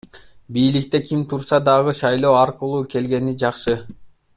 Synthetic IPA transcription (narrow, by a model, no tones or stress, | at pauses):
bijlik̚t̪e̞kʲʰimt̪ʰuɾsɑd̪ɑʁɯʃɑjlˠo̞ːɑɾqulˠuːke̞lɡe̞nid͡ʒɑqʃɯ